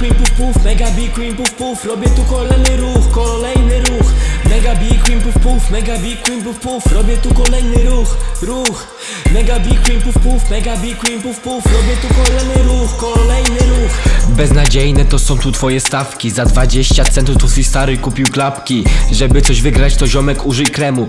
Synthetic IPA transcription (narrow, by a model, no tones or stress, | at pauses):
kwipufpufmɛɡabikwimpufpufɾɔbʲjɛt̪ukɔlɛjnɪɾuxkɔlɛjnɪɾuxmɛɡabikwimpufpufmɛɡabʲikwimpufpufɾɔbʲjɛt̪ukɔlɛjnɪɾuxɾux | mɛɡabʲikwimpufpufmɛɡabʲikwimpufpufɾɔbʲjɛt̪ukɔlɛjnɪɾuxkɔlɛjnɪɾuxbɛznad͡ʑejnɛt̪ɔsɔ̃w̃t̪ut̪fɔjɛst̪afkʲizad̪vad͡ʑeɕt͡ɕat̪sɛnt̪ud̪ɔsɨt͡ɕst̪aɾɔikupʲiwklapkʲiʐɛbɘt̪sɔʑvɘɡɾat͡ɕt̪ɔʑɔmɛkuʐɘjkɾɛmu